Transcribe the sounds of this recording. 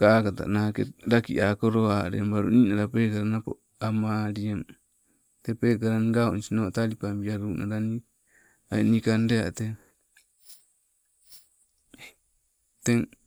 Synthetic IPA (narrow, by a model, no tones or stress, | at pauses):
kakat̪a̰ʔnakɛɾakiʔakoɾoaɾɛ̰mbaɾṵninaɾapɛkaɾanapo̰ | amaɾiam | t̪ɛpɛkaɾanɡaonisinot̪alipambiaɾuna̰ɾani | aɛnikandea̰t̪e | t̪ɛŋ